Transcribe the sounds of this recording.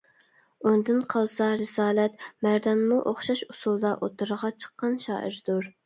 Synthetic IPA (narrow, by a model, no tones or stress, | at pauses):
und̪ɨnqʰɑlˠsɑɾɪsɑːlɛt̪mæɾd̪ɑnmuʔoχʃɑʃusulˠd̪ɑʔot̪uɾəʁɑt͡ʃʰə̥qːɑnʃɑ̰ːʔə̰ɾd̪̥uɾ